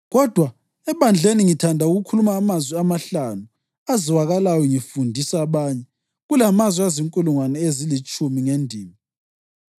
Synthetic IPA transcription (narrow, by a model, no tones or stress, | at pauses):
ɣɔd̥ʱwa | ɛβand͡ɮʱeniŋitʰandʱauɣukʰulumaːmazwiamaɬanu | aziwaɣalajɔŋifundʱisaβaɲɛ | ɣulamazwiaziŋkʼuluŋwanɛezilit͡ʃʼumiŋendʱiːmi